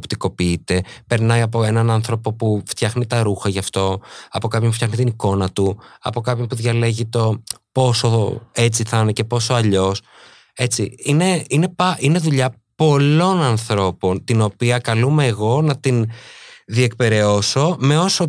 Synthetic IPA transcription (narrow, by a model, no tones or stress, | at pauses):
pt̪iko̞piit̪e̞pe̞ɾnɐiɐpo̞e̞nɐnɐnθɾo̞po̞puft̪çɐxnit̪ɐɾuxɐʝɐft̪o̞ɐpo̞kɐpçompuftçɐxnit̪iniko̞nɐt̪uɐ̰po̞kɐpçopuðʝɐle̞ʝit̪o̞po̞so̞e̞t͡siθɐnece̞po̞so̞ɐʎo̞s | e̞t͡siine̞ine̞ɐʔine̞ðuʎɐ | po̞lo̞nɐnθɾo̞po̞nt̪ino̞piɐkɐlume̞ːɣo̞nɐt̪in | ðie̞k̚pe̞ɾe̞o̞so̞me̞o̞so